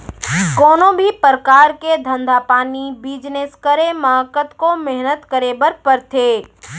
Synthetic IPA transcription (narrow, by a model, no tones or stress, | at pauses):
koːnõbʱipɾəkaːɾked̪ʱə̃nd̪ʱapaːnibɪd͡ʒneːskəɾemaːkət̪komɪɦnət̪kəɾeːbəɾpəɾt̪ʰeː